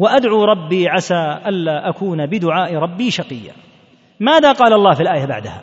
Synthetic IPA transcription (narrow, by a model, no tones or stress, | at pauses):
waʔad̪ʕuːɾˤɑbːiːʕaʃaːʔalːaːʔakuːnabɪd̪ʊʕaːʔɾˤɑbːiːʃɑqɨjːa̰ | maːðaːqɑːlɑlˤːɑːhfilʔaːjaba̰ʕd̪aha